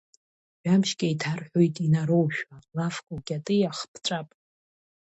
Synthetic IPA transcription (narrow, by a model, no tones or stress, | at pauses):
ʒʷᶣamʃkʲʼajtʰarħʷᶣo̞jtʼinaɾo̞wʃᶣalafkʷʼuɡʲʼatʼɨjaχpʰt͡sʷʼapʼ